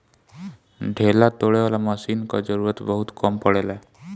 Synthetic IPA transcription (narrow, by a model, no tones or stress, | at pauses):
ɖʱelat̪oɭeʋalaməsiːnka̰d͡zəɾuɾət̪bəɦut̪kɔmpəɽela